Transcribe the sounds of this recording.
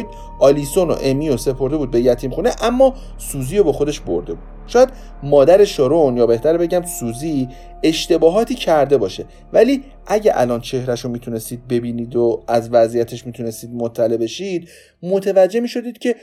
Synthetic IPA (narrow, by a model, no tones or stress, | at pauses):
d̪ | ʔɒːlisono̰ʔemiːjose̞pʰo̞ɾde̞buːd̪̚be̞jæt̪ʰiːmχuneʔæmːɒː | suːziːjobɒːxo̞d̪e̞ʃbo̞̰ɾd̪e̞buːd̪̥̚ʃɒːjæd̪̥ | mɒːd̪æɾe̞ʃoɾonjɒːbe̞ht̪æɾbe̞ɟæmsuːzi | e̞ʃt̪e̞bɒːɦɒːt̪ʰiːcʰæɾd̪e̞bɒːʃe | væliː | ʔæɟæʔæ̰lɒːnt͡ʃʰe̞hɾæʃomiːt̪ʰune̞st̪iːd̪̚be̞biːniːd̪oæzvæzijæt̪ʰeʃmiːt̪ʰune̞st̪iːd̪̚mot̪ʰːælebe̞ʃid̪ | mo̞t̪ʰevæd͡ʒːe̞miːʃo̞d̪iːd̪̥cʰe̞